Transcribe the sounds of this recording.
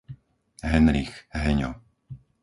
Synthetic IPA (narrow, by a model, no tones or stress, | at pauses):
ɦɛnɾixɦɛɲɔ̰